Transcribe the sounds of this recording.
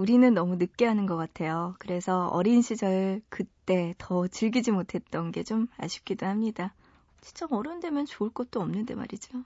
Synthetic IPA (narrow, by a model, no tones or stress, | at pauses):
uɾinɯnːʌmunɯp̚k͈eɦanɯnɡʌk͈atʰe̞jokɯɾe̞sʰʌʌ̰ɾinɕʰid͡ʑʌɾɯɭkɯt͈e̞tʌt͡ɕɯɭɡid͡ʑimotʰe̞t̚t͈ʌnɡe̞t͡ɕoma̰ɕʰi̥p̚k͈idohamɲida | t͡ɕi̥nt͡ɕ͈ʌʌɾɯnde̞mjʌnt͡ɕoɯɭk͈ʌt̚t͈oʌmnɯnde̞̰ma̰ɾid͡ʑo